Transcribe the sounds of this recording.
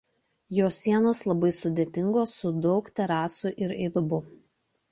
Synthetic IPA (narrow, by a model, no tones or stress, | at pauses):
joːsʲːiɛnoːslˠɐbɐɪsʊd̪ʲeːt̪ʲɪŋɡoːsːʊd̪ɒʊkt̪ʲɛɾɑːsʊʔɪɾɛɪd̪ʊbʊ